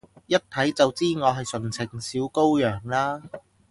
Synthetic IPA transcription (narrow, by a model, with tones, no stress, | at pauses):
jɐ˥t̚t̪ʰɐ˨˥jt͡sɐ˨wt͡siː˥ŋɔː˨˧ɦɐ˨jsɵ˨˩nt͡sʰɪ˨˩ŋsiː˨˥wko˥wjœː˨˩ŋlaː˥